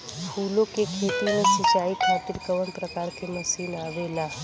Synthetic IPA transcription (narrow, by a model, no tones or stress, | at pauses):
pʰuːlõkekʰeːt̪imẽsɪt͡ʃaːikʰaːʈ̪ɪɾkəʋənpɾəkaːɾkemɐsiːnaːʋelaː